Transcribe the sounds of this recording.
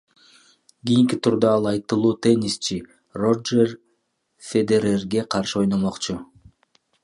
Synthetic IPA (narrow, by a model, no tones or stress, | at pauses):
ɡʲijiŋkit̪ʰuɾd̪ɑɑlˠɑjt̪ɯlˠuːt̪e̞nʲist͡ʃi | ro̞d͡ʒer | fʲed̪e̞ɾerɡe̞qʰɑɾʃɯo̞jnomo̞qt͡ʃʊ